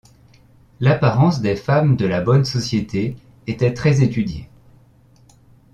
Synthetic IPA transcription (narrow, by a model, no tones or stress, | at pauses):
lapaʁɑ̃sd̪efamd̪əlabɔnsɔsjet̪ʰe | et̪ɛt̪χɛzet̪yd̪jḛ